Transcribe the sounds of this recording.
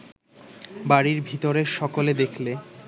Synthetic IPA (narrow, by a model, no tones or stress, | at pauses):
baɽiɾbʱit̪oɾeɾʃɔkoled̪ekʰle